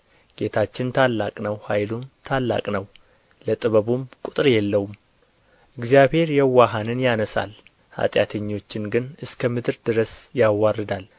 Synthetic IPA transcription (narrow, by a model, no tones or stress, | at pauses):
ɡ̥e̞t̪ʰat͡ʃːɪnt̪ʰalːakʼnəwhajlumt̪ʰalːa̰kʼnəw | lət̪ʼɨβəβumkʼut̪ʼɨɾjɛlːəwum | ʔʔɨɡzijaβhe̞ɾjɛwːaɦanɨnjanəsa̰l | ha̰t̪ʼja̰t̪ʰəɲːo̞t͡ʃːɪnɡɨnɨskʰəmɨd̪ɨɾd̪ɨɾəsjawːarːɨd̪al